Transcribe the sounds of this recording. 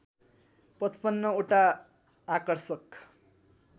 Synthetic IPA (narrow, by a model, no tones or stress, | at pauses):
pʌt͡spʌnːʌoʈaː | kʌrsʌk